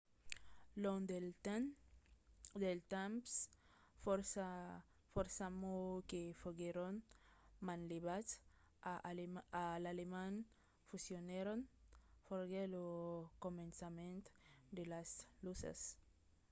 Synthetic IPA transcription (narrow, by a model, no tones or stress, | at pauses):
lond̪ | d̪elt̪ams | oɾsa | foɾsamokefoɡeɾonmãnleβas | aalalemãn | fusjoneɾonfoɾɡelokomẽnsamẽnt̪d̪elaslusa̰s